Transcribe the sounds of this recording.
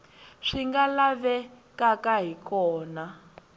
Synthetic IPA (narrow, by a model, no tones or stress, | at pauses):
ʂiŋɡalaβɛ | kakaɦikɔːna